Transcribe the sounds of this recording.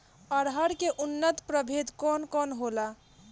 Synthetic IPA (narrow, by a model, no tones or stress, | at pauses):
əɾɦəɾkeʔunːət̪pɾəbʱed̪kɔnkɔnɦola